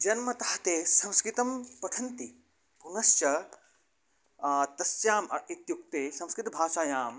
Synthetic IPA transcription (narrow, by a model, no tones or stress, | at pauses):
d͡ʒɐnmɐt̪ɐhɐt̪eːsɐ̃w̃skɾɪt̪ɐmpɐʈʰɐnt̪i | punɐst͡ʃɐ | t̪ɐsjaːmɐet̪juk̚t̪eːsɐ̃w̃skɾit̪ɐbʱaːʃaːjaːm